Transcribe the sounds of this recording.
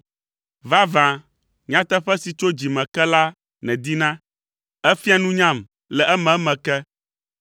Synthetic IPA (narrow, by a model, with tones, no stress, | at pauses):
va˦vã˨ | ɲã˦t̪ɛ˦ɸɛ˦si˨t͡ʃo˦d͡ʑi˨mɛ̃˨kɛ˦la˦ | nɛ̃˨d̪i˦nã˦ | ɛ˦fi˦a˦nũ˦ɲã˦m | lɛ˨ʔɛ˦mɛ̃˨˦mɛ̃˨kɛ˦